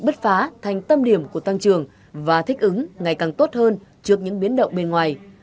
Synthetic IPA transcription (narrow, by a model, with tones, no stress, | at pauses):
ɓə˦˥t̚faː˨˦t̪ʰa˨˩jŋ̟t̪ə˧mɗi˧˩əmku˧˩ət̪a˧ŋt͡ɕɨ˨˩əŋ | vaː˨˩t̪ʰï˦˥k̟̚ʔɨ˨˦ŋŋa˨˩jkaː˨˩ŋt̪o˦˥t̚həː˧nt͡ɕɨ˦˥ək̚ɲɨ̰˧˥ŋɓi˨˦ənɗə̰˧˨wŋ͡mɓe˧nŋwaː˨˩j